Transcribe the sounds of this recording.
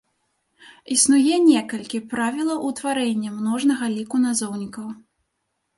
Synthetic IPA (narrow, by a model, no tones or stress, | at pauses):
isnujɛnʲɛkɐlʲkʲipɾavʲilˠɐʔut̪vaɾɛnʲːɐmnɔʐnɐɣɐlʲikunazɔwnʲikɐw